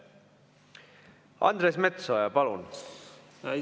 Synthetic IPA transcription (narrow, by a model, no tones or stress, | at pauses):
ɑ̰nd̪ɾesmet̪sojɑpɑlun